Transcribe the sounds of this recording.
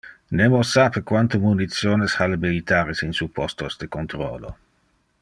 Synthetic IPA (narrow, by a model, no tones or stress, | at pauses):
nemosapekwant̪omunit̪sjoːneshalemilit̪aːɾesinsupɔst̪osd̪ekont̪ɾɔ̰ːlo̰